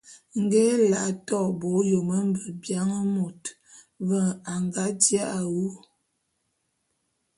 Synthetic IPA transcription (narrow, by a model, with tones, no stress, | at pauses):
ŋ̩˦ɡɛ˦la˨tɔ˦˨bo˨˦jo˨mə˦m˦bə˨bja˦ŋə˦mo˨t | və˦˨ŋa˨ŋɡa˨˦d͡ʒja˦ʔa˨wu˦